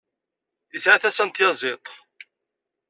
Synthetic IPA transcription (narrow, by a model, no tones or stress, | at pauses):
jəsʕaθæsænt̪jɑzˤet̪ˤ